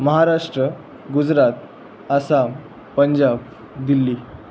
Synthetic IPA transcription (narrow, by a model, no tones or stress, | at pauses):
məɦaɾaʂʈɾə | ɡud͡zɾat̪̚ | asa | pəɲd͡ʑab | d̪ilːiː